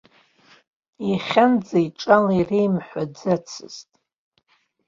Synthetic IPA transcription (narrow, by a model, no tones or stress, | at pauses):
iχʲand͡zaiʈ͡ʂʼalirejmħʷad͡zat͡sʰɨ̰ztʼ